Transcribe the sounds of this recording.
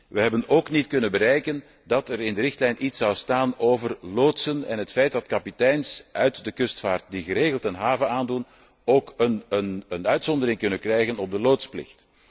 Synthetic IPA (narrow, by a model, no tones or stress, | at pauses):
ʋəɦɛbənoːknitkɵnənbəɾɛjkən | dɑtɛɾɪndəɾɪxtlɛjnʔitsɑwstaːnoːvərloːtsənɛ̰nɦətfɛjt̚dɑtkɑpitɛjnsʔœɥtdəkʏstfaːrt̚diɣəɾeːɣəlˠtɛnɦaːvəaːndun | oːkənənənœɥtsɔndəɾɪŋkɵnənkrɛjɣənɔb̚dəloːtsplɪ̰xt